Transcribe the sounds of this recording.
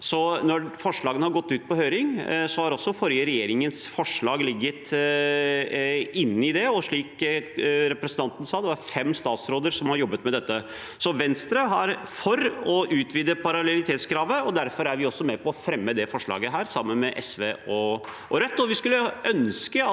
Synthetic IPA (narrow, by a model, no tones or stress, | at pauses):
sɔnɔfɔʂɭɑːɡənəhɑɾɡɔt̪ːʉːt̪̚pʰɔhøːɾɪŋsɔhɑɾɔsːɔfɔɾjəɾɛjeːɾɪŋənsfɔʂɭɑːɡlɪɡːət̪ | ɪnːɪd̪ɛɔʂɭiːk | ɾɛpɾəsənt̪ɑnt̪ən̩sɑːd̪ɛʋɑɾfɛmːst̪ɑːt̪sɾoːd̪əɾʂɔmhɑɾjɔbːət̪mɛd̪ɛt̪ːə | sɔʋɛnst̪ɾəɦɑɾfɔɾɔʔʉːt̪ʰʋiːd̪əpʰɑɾɑlɛlɪt̪ʰeːt̪skʰɾɑːʋəɔd̪æɾfɔɾæɾʋɪɔsːɔmɛpʰɔɔfɾɛmːəd̪ɛfɔʂɭɑ̰ːɡəɦæːɾsɑmːənmɛʔɛsʋeːɔ | ɔɾœt̪ːɔʋɪskʉlːəʔœnskə